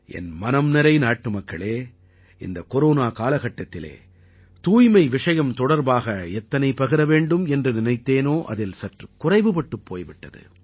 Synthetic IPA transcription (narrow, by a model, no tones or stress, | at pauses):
ʔɛ̰nmɐnɐmnɐɾɐɪnaːʈːɯmɐkːɐɭeː | ɪ̰nd̪ɐkɔɾoːnaːkaːlɐɣɐʈːɐt̪ːɪlḛː | t̪uːjmɐɪʋɪʂɐjɐmt̪ɔɽɐɾbaːɣɐɛt̪ːɐnɐɪpɐɣɪɾɐʋeːɳɖɯmɛndrɯnɪnɐɪt̪ːeːnoːʔɐ̰ðɪlsɐʈrɯkʊrɐɪʋɯpɐʈːɯpːoːjʋɪʈːɐðɯ̰